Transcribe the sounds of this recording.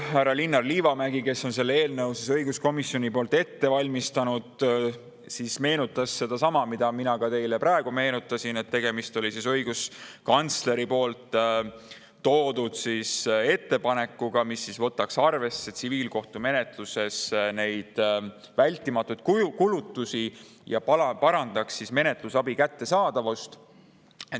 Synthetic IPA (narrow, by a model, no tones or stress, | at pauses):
hærɑlinːɑrliːvɑmæɡ̥ike̞sːo̞ns̬e̞lːee̞ːlnɤwsisɤjɡ̥usko̞misjo̞nʲipo̞ːlt̪ːˑe̞t̪ːe̞vɑlʲmist̪ɑnud̪̥ | sisme̞ːnut̪ːˑɑsːe̞d̪̥ɑsɑmɑmid̪̥ɑminɑkɑt̪e̞jlepɾɑe̞ɡ̥ume̞ːnut̪ːˑɑsine̞t̪ːe̞ɡ̥e̞mist̪o̞lʲisisɤjɡ̥uskɑnt̪sle̞ɾipo̞ːlt̪ | o̞ːd̪ud̪̥sise̞t̪ːe̞pɑne̞kːˑuɡ̥ɑmisːisvɤt̪ːˑɑksɑrve̞sːet̪siviːlko̞ht̪ume̞ne̞t̪luse̞sne̞jd̪̥ | vælʲt̪ːˑimɑt̪ːˑud̪̥kkulut̪ːusi | jɑpɑpɑɾɑnd̪̥ɑksːisme̞ne̞t̪lusɑbikæt̪ːe̞sɑːd̪̥ɑvust̪ | e